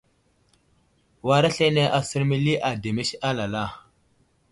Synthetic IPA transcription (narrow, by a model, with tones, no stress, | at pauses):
wa˨ɾa˦ɬe˦ne˦ʔa˨sə˦ɾmi˦li˦ʔa˨de˨me˦ʃa˦la˨la˦˨